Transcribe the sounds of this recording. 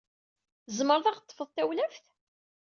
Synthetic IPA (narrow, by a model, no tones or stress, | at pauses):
zməɾˤðˤɑʁt̪ˤːfəðˤt̪æwlæfθ